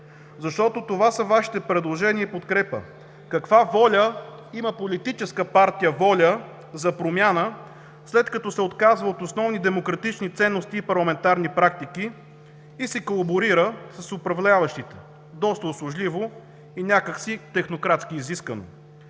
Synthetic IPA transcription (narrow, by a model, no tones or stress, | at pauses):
zɐʃt̪ɔt̪ot̪ovasɐvaʃi̥t̪ɛpɾɛd̪lˠoʒɛniəipot̪kɾɛpə̰ | kɐkvavɔlʲə | iməpolit̪it͡ʃɛskəpaɾt̪ijəvɔlʲə | zɐpɾomʲjanə | slɛt̪kɐt̪ɔsɛot̪kazvəot̪osnɔvnid̪ɛmokɾɐt̪it͡ʃnit̪sɛnːost̪iːpɐɾlˠɐmɛnt̪aɾnipɾak̚t̪ikiː | sɛkolˠɐboɾiɾəsɐsʊpɾɐvlʲavəʃt̪it̪ɛ̥ | d̪ɔst̪əʊslˠʊʒlivo | inʲakəksit̪ɛxnokɾat̪skiːziskvəno̰